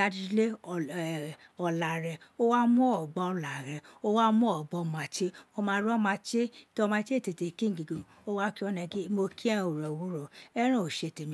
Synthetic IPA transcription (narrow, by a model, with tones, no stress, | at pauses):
a˧di˧˦le˦˨ | ɔ˧la˨ɾɛ˧o˦wa˦mũ˦ɔ˨ɡ͡bɔ˧ɔ˧˨la˨ɾɛ˨o˦wa˦mũ˦ɔ˦˨ɡ͡bɔ˧˨mã˨t͡ʃe˦o˧mãː˧˦ɾɔ˦mã˧t͡ʃe˦to˧mã˧˦t͡ʃe˦˨te˨te˨kĩ˦ŋ̩˨ɡi˨ɡo˨ | o˦wa˦ki˦ɔ˧nɛ̃˧ɡi˦mo˧ki˦ɛ̃˦o˨ɾɛ˨wo˦ɾo˨ɛ˦ɾ̃ã˦˨o˨ʃe˧˨te˨mĩ˧˦